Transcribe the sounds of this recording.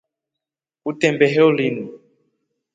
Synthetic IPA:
utɛmbɛɦɛulinu

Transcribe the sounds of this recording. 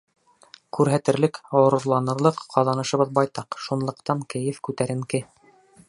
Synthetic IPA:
kʉɾɦæt̪ɘ̆ɾlɘkŏɾŏɾlˠɑnɤ̆ɾlˠɤqqːɑðˠɑnɤ̆ʃɤ̆βɤðbɑjt̪ɑqʃunlˠɤ̆qt̪ɑŋkɘ̆jɘfkʉt̪æɾɘ̆ŋkɘ

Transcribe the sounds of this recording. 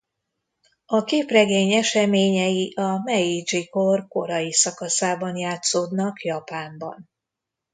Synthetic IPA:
ɒkeːprɛɡeːɲɛʃɛmeːɲɛjiʔɒmɛid͡ʒiko̞rko̞ɾɒjisɒkɒsaːbɒnjaːt̪soːd̪nɒkjɒpaːmbɒ̰n

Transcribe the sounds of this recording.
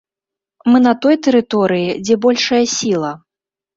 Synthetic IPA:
mɨnɐt̪ɔjt̪ɛɾɨt̪ɔɾɨjid͡zʲɛbɔlʲʂɐjɐsʲilˠɐ

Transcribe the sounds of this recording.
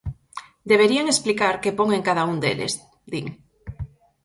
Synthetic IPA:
d̪eβ̞eɾiaŋesplikaɾkepoŋeŋkaðaund̪ḛlḛz | d̪iŋ

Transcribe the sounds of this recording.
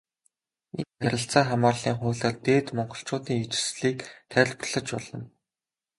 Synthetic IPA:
ḛnæɾɾʲɪ̆ɬt͡saːχamaːrɮiːŋχʊːɮaːrt̪eːt̪mɔɴɢɞ̆ɬt͡ɕʊːt̪iːŋit͡ɕɪ̥̆sɮiːkt̪ʰæɮp̆rɮə̆t͡ɕpɔɮɞ̆n

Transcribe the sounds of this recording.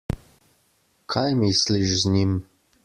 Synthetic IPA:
kʰajmisliʃznim

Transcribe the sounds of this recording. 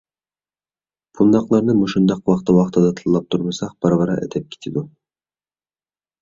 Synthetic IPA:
pʰund̪ɑqlˠɑɾnɯmuʃŭnd̪ɑqwɑqt̪ɯwɑqt̪ɑd̪ɑt̪ʰɯlˠːɑp̚t̪ʰuɾmɤjsɑq̚b̥ɑɾʁɑɾɑ̰ʔḛt̪ʰɛp̚kʲi̥t̪ʰid̪u

